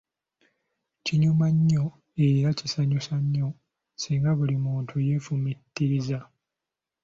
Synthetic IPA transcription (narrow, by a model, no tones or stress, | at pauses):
ciɲumaɲːo | e̞ɾacisaɲusaɲːo̞ | siːŋɡaβulimuːntʰuje̞fumitːiɾiza